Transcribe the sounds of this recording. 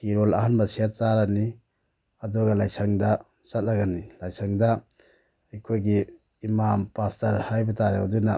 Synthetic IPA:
hiɾola̰hanbɐsiat̚t͡ʃaɾani | ɐduɡɐlajsʰaŋdɐ | sɐt̚laɡanilajsʰaŋda | ajkʰojɡiː | mampastɐɾhajbɐtaɾeaduna

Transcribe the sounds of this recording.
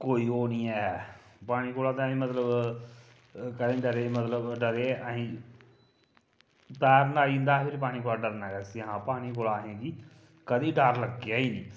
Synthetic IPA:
koːiːoːniːɛː | paːɽ̃iːkoːlaːt̪ãːɦĩːmət̪ləb | kəd̪ẽːɖəɾeːmət̪ləbɖəɾeːəɦĩː | t̪ɛːɾnaːiːnd̪aːɦpʰɪɾip̬aːɽ̃iːkoːlaːɖəɾnɛːkəsiɦãːpaːɽ̃iːkoːlaːɦẽːɡiː | kəd̪iːɖəɾləɡeaːiːniː

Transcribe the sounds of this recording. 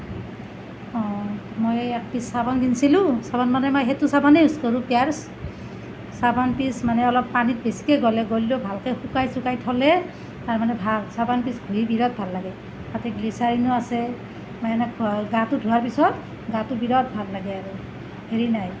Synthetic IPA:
ɔ | mojɛk̚pisːabɔnɡinsilʊ̃sabɔnmanɛmɔjɦɛtusabanɛuskɔɹũpjaɹs | sabɔnpismanɛɔlɔpːanit̚besi̥kɛɡɔlɛɡolilɔbʱalkɛxukajsukajtʰɔlɛ | taɹmanɛbʱalsabanpisɡʱuɦibiɹɔt̚bʱalːaɡɛ | tatɛɡlisaɹinʊasɛ | majɛnɛkɡatudʱuɦaɹpisɔt | ɡatubiɹɔt̚bʱalːaɡɛaɹu | heɹinaj

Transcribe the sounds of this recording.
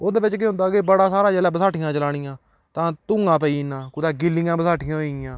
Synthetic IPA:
od̪eːbɪt͡ʃkeːɦʊ̃nd̪aːkeːbəɽaːsaːɾaːd͡ʒɛːlɛːbəsaːʈʰɪjãːt͡ʃəlaːɽ̃ɪjãː | t̪ãːt̪ʊ̃ŋɡãːpəiːnãːkʊd̪aːɡɪlːɪjãːbəsaːʈʰɪjãːɦoɪjãː

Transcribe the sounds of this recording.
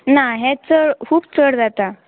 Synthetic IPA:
naɦɛt͡səɽkʰuːb̚t͡səɽd͡zat̪a

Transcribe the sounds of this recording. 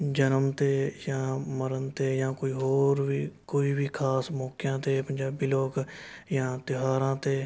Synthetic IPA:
d͡ʒənəmt̪eːjãːməɾənt̪eːjãːkoːiɦoːɾʋiːkoːiːbʱiːkʰaːsmɔːkjãːt̪eːpə̃ɲd͡ʒaːbiːloːkjãːt̪ɪɦaːɾãːt̪eː

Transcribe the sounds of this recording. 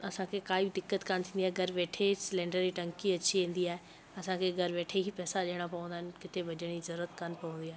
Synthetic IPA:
ɐsãkʰekaːibɪd̪ɪkːət̪kaːnt̪ʰĩːniaːɦeɡʱɐɾʋeːʈʰesɪlẽːɳɖəɾiʈɐ̃ŋkiɐt͡ɕiʋẽːn̆d̪iaːɦe | ɐsãkʰeɡʱɐɾʋeːʈʰeɦipɛːsaʄeːɽ̃apɐʋə̃nd̪aːɦɪnkɪt̪ebʱɐʄəɽ̃izɐɾuːɾət̪kanpɐʋə̃nd̪iaːɦe

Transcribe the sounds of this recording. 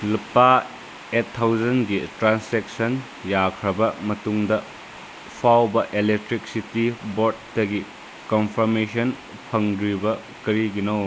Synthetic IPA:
lupːa | etʰːawd͡ʒɐnɡitɾanseksɐn | jakʰɾɐbɐmɐtuŋdɐ | pʰawbɐʔelek̚tɾik̚sitiboɾt̚ːɐɡi | konpʰɐɾmesɐn | pʰɐŋdɾibɐ | kɐɾiɡino

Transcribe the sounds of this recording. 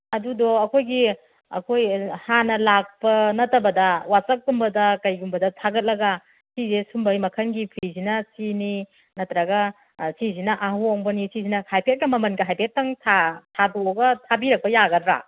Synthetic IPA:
ɐdudɔɐkʰojɡi | ɐ̰kʰojhanɐlak̚pɐnɐtɐbɐdɐwasɐk̚ɡumbɐdɐkɐjɡumbɐdɐtʰaɡɐt̚lɐɡa | sizesumbɐjmɐkʰɐnɡipʰizinɐsini | nɐtɾɐɡa | sizinɐʔaɦuɔŋbɐnisizinɐhajpʰet̚kɐmɐmɐnɡɐɦajpʰet̚ːɐŋtʰatʰadoɡɐtʰabiɾɐk̚pɐjaɡɐdɾa̰

